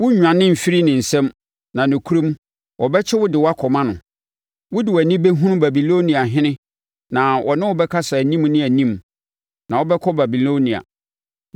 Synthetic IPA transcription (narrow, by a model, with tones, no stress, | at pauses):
wʊ˦ɲᶣ˨ã˨nɪ̃˦m̩˨fi˦ɾi˦nɪ̃˨n̩˨sɛ̃˦m | nã˨nʊ̃˨kʰu˦ɾõ˦m˦ | wʔɔ˨bɛ˦t͡ɕʰɛ˦wʊ˦dɪ˨wa˦kʰɔ˨mã˦nʊ̃˨ | wʊ˦dɪ˨wɔ˨æ˨nĩ˦bɛ˦ɦũ˦nʊ̃˦ba˨bi˨lo˦nĩ˨a˨ɦɪ̃˦nɪ̃˦ | nã˨wʔɔ̰˨nɪ̃˦wʊ˦bɛ˦kʰa˦sa˨æ˨nĩ˦m˦nɪ̃˦æ˨nĩ˦m | nʔã˨wɔ˦bɛ˦kʰɔ˦ba˨bi˨lo˦nĩ˨a̰˨